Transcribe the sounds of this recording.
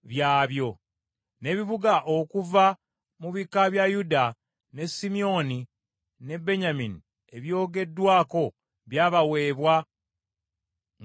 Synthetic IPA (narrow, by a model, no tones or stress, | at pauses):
βjaːβjo̞ | ne̞βiβuɡaʔokuva | muβikaβjajuda | ne̞simio̞ni | ne̞bːe̞ɲamini | e̞βjo̞ːɡe̞dːwaːko̞ | βjaːβawe̞ːβwa